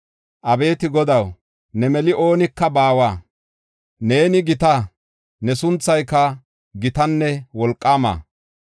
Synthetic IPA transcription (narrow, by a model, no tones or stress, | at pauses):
ʔɐbe̞ːt̪ɪɡɔd̪ɐw | nɛmɛlɪʔo̞ːnɪkːɐbaːwaː | ne̞ːnɪɡɪt̪ɐ | nɛsʊnt͡sːɐjkːɐ | ɡɪt̪ɐnːɛwɔlkʼːaːma̰ː